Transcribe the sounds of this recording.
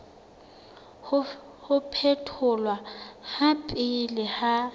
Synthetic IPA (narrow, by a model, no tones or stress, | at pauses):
hʊ | hʊpʰetʰʊlwahapʼɪlɪha